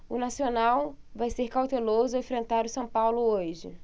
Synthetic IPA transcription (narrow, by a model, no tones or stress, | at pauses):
ʊnasionawvajseɾkawt̪elozʊẽfɾẽnt̪aɾʊsɐ̃w̃pawlʊoʒɪ̰